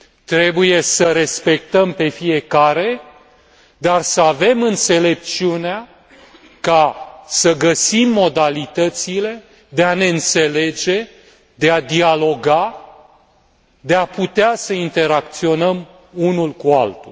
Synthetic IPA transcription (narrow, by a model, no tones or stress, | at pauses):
t̪ɾe̞buje̞səɾe̞spe̞k̚t̪əmpe̞fije̞kaɾe̞ | d̪arsəave̞mɨnt̪se̞le̞p̚t̪siunea | kasəɡəsimːo̞d̪alit̪ət̪sile̞ | d̪e̞ane̞ɨnt̪se̞le̞d͡ʒe̞ | d̪e̞ad̪ialo̞ɡa | d̪eaput̪easəint̪e̞ɾakt̪sio̞nəm | unulkua̰lt̪ulʲ